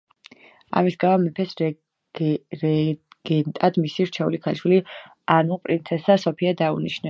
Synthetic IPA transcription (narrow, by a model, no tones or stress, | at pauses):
a̰misɡavamipʰɛs | ɾɛ | ɡ̥ɛnt̪ʼad̪misiɾt͡ʃʰɛṵlikʰaliʃwili | anupʼɾint̪sʰɛsasɔpʰiad̪aṵniʃnɛ